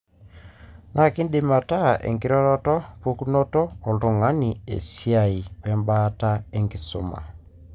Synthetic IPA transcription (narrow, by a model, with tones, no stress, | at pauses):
na˦ki˦ndɪ˨ma˨ta˦ḛ˨ŋɡi˦ɾɔ˦ɾɔ˦tɔ˦pu˦ku˦nɔ˦tɔ˦ɔ˨ltɔ˨ŋa˦ni˨ḛ˨si˦a˨i˨wɛ˦mba˦ta˦e˦ŋɡi˨so̰˨˦ma̰˨